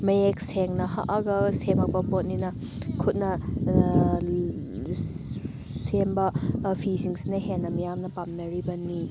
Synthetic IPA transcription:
mɐjek̚seŋnɐɦa̰ʔɐɡɐsemɐk̚bɐpot̚ninɐ | kʰut̚nɐ | sembɐpʰisiŋsinɐɦenːɐmijamnɐpamnɐɾibɐni

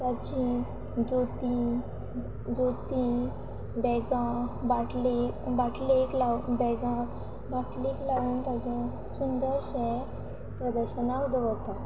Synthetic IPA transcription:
t̪jat͡ɕi | d͡zot̪i | d͡zot̪i | bɛɡãbaʈʰlebaʈʰleklabɛɡã | baʈʰliklaʋuːnt̪jad͡ʑẽ | sund̪əɾɕɛ | pɾəd̪əɾɕənaud̪əʋəɡt̪at̪

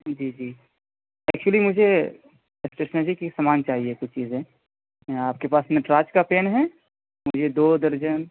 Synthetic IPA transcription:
d͡ʒiːd͡ʒiː | ɛːk̚t͡ʃuəlimʊd͡ʒʱe | esʈeːʃnəɾd͡ʒikisɐmaːnt͡ʃaːɦiekʊt͡ʃʰt͡ʃiːzẽ | aːp̚kepaːsmeneʈɾaːt͡ʃkapeːnɦɛ | mʊd͡ʒʱed̪oːd̪əɾd͡ʒən

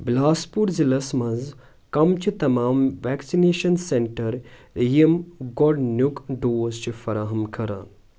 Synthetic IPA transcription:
blaːspuɾzilɐsmɐ̃nz | kɐmt͡ʃʰit̪ɐmaːmʋɛːksineːʃɐnseɳʈɐɾ | jimɡɔɖnjukɖoːst͡ʃifɐɾaːɦɐmkʰɐɾa̰ːn

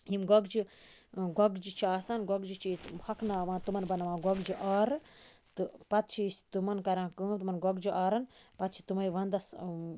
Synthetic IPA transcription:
ɦimɡɐɡd͡ʒi | ɡɐɡd͡ʒit͡ʃʰiaːsɐnɡɐɡd͡ʒit͡ʃʰispʰɐkʰnaːʋãːt̪umɐnbɐnɐʋãːɡɐɡd͡ʒiʔaːɾɨ | t̪ɨpɐt̪̚t͡ʃʰist̪umɐnkɐɾãːkɨːt̪umɐnɡɐɡd͡ʒiʔaːɾɐnpɐt̪̚t͡ʃʰi̥t̪umɐjʋɐnd̪ɐs

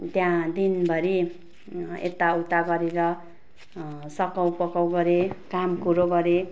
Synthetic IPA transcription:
t̪jãd̪inbʱʌɾi | ḛt̪aut̪aɡʌɾeɾʌ | sʌkʌwpʌkʌwɡʌɾekamkuɾoɡʌɾe

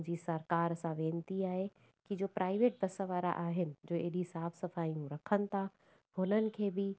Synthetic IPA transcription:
d͡ʑiːsɐɾkaːɾsãʋẽːnt̪iaːɦe | kid͡ʑoːpɾʔaːɪʋeːʈ̚d̪ɐsəʋaːɾa̰ʔaːɦɪnɪ̆d͡ʑoːeɗisaːfʰsɐfaːijũɾɐkʰənɪ̆t̪ʰa | ɦʊnənɪ̆kʰeːbɪ

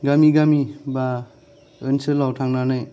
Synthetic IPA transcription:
ɡamiɡamiba | ɯnsɯlawtʰaŋnanaj

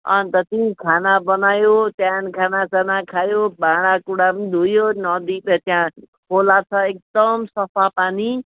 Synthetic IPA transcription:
ɔ̰nt̪ɔt̪ĩĩkʰanabənaːjot̪jaːnkʰanasanakʰaːjobãːɽ̃akuɽabnd̪ʱujonɔːd̪ipet̪jã | kʰoːlat̪ʰaek̚d̪əmsɔpʰapaːni

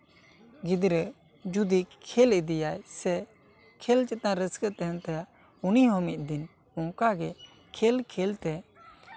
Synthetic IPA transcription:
ɡid̪ɾə | d͡ʒud̪ikʰɛlɛd̪ijajsɛ | kʰɛlt͡ʃɛt̪̚nãɾəskət̪ɛɦɛnt̪ajaʔ | uniɦɔmit̪̚d̪in | ɔ̃ŋkaɡɛ | kʰɛlkʰɛlt̪ɛ

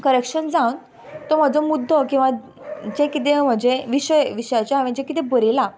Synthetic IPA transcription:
kəɾekɕənd͡zãwn | t̪ɔm̤ad͡zɔmud̪ʱːɔkĩw̃ʋa | d͡ʑẽkit̪̬ẽm̤əɳd͡zeʋiɕəjʋiɕəjat͡ɕjaɦaʋẽd͡ʑẽkit̪ɛ̃bəɾila

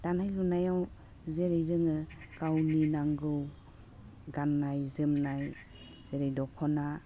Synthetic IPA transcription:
d̥anajlunajaw | zeɾejzɯŋɯkawninaŋɡɯw | ɡanːajzɯmnaj | z̥eɾejdɔkʰɔna

